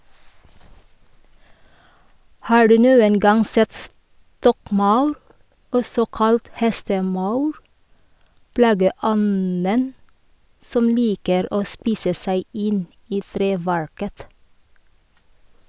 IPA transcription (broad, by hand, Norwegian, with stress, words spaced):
ˈhɑː ˈɖʉː ˈnuːən ˈɡɑŋ ˈsɛt ˈstɔkˌmɑʉɾ ˈɔsɔ ˈkɑlt ˈhɛstəˌmɑʉɾ ˈplɑːɡəˌɔnən ˈsɔm ˈliːkəɾ ˈoː ˈspiːsə ˈsæɪ ˈɪn ˈiː ˈθɾeːˌʋæɹkət